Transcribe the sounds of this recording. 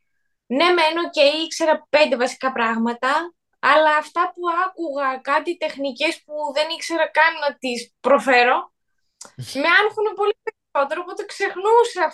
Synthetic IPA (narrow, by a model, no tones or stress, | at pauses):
ne̞menoce̞jikse̞ɾɐpe̞nd̪e̞vɐsi̥kɐpɾɐɣmɐt̪ɐː | lɐːft̪ɐpuɐkuɣɐkɐt̪it̪e̞xnice̞spuðe̞nikse̞ɾɐkɐnunɐt̪ispɾo̞fe̞ɾo̞ | meɐnxune̞po̞lipeɾiso̞t̪e̞ɾopot̪ekse̞xnuseɐ